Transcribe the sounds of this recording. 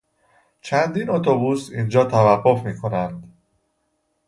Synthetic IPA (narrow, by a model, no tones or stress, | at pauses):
t͡ʃʰænd̪iːnot̪ʰobuːsind͡ʒɒːt̪ʰævæɢːo̞fmiːkʰo̞nænd̪